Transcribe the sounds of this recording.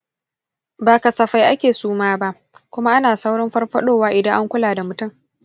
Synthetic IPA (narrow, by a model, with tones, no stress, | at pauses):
baː˨ka˨sɐ˨ɸa˨jʔa˦kʲeː˨suː˦maː˦ba˦ʔ | kʷʊ˦ma˦ʔa˦naː˨sa˦wɽɐ˦mɸɐ˦rɸɐ˦ɗoː˦waː˦ʔɪ˨dɐ˦ŋʔa˦ŋkʷʊ˦laː˨da˨mʊ˨tʊ˦ŋ